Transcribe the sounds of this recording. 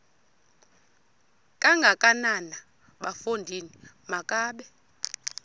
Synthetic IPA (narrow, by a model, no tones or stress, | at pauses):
kʼaŋɡʱakʼanana | ɓafondʱinimakʼaːɓɛ